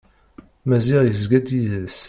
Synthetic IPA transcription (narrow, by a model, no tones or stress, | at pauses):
mæziʁjəzɡæd̪jiðæs